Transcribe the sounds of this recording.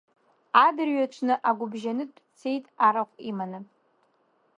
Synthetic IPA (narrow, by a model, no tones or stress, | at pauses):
adɨrɥat͡ʃʷʰnɨʔaɡʷʊbʒanɨtʼt͡sʰe̞jtʼaɾaχʷʼimanɨ